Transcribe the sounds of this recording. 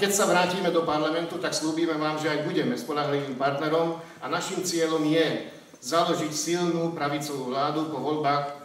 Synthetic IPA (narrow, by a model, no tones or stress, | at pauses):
kɛcsaʋɾaːciːmɛd̪ɔpaɾlamɛnt̪ut̪aksluːbiːmɛʋaːmʒɛajbuɟɛmɛspɔʎaɦliʋiːmpaɾt̪nɛɾɔm | anaʃiːmt͡sɪɛʎɔmjɛ | zalɔʒicsilnuːpɾaʋit͡sɔʋuːʋlaːd̪upɔʋɔlbaːx